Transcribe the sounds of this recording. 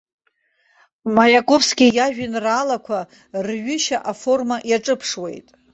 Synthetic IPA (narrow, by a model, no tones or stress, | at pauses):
majakʼopskʲijaʒᶣɪnralakʷʰa | rɥʏʃaʔafo̞rmaʔjaʈ͡ʂʼɨpʰʂwe̞̰jtʼ